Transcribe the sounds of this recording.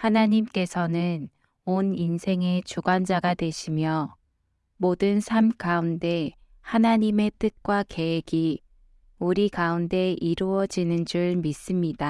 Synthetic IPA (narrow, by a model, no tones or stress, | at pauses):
hanaɲimk͈e̞sʰʌnɯn | oninsʰe̞ŋe̞t͡ɕuɡwand͡ʑaɡadwe̞ɕʰimjʌ | modɯnsʰamkaunde̞ | hanaɲime̞t͈ɯk̚k͈wake̞eɡi | uɾikaunde̞ʔiɾuʌd͡ʑinɯnd͡ʑuɭmis͈ɯmɲida